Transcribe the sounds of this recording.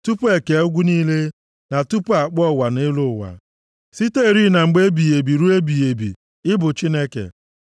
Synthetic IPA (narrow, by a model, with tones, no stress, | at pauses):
tu˦pʊ˦e˨ke˨˦ɡʷu˦niː˦le˦ | na˨tu˦pʊ˦a˨k͡pɔ˦˨wa˨ne˦lʊ˦˨wa̰˨ | si˦te˦˨ɾi˦na˨ŋ͡m̩˨ɡ͡be˦bi˨je˨bi˨ɾu˦e˦bi˨je˨bḭ˨ | ɪ˦bʊ˨t͡ʃi˦ne˦kḛ˨